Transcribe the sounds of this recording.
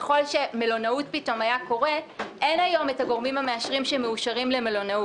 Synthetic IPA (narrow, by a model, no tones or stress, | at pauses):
eχo̞lʃe̞me̞lo̞naut̚pito̞majako̞ʁe̞ʔe̞najo̞metaɡo̞ʁmimhame̞aʃʁimʃeme̞uʃaʁimle̞me̞lo̞nau